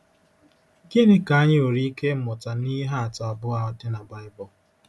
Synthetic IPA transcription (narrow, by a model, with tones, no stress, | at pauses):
ɡi˦nɪ˦ka˨a˦ɲɪ˦o˨ɾi˦i˦ke˦m̩˦mʊ˨ta˨ni˦ɦa˦a˨ta˨ɔ˨bʊ˦a˨ɔ˦tɪ˦na˨ba˦ɪ˦bɔ˨